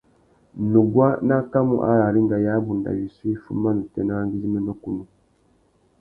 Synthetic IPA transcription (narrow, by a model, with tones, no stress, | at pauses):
nu˨ɡwa˦na˦ka˦mṵ˦˨ʔa̰˦ɾa˨ɾi˦ŋɡa˨ja˦bu˨nda̰˨wi˨su˦i˦fṵ˦ma˦nu˨tɛ˨na˦ŋɡi˦zi˦mɛ˦nɔ˦ku˦nu˨